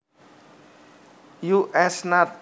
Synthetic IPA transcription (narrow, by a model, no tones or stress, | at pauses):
juʔɛsnat̪̚